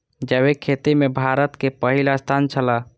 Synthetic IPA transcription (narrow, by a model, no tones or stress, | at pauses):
d͡ʒəβekʰːet̪imebʱaɾət̪kepəɦilast̪ʰant͡ʃʰəla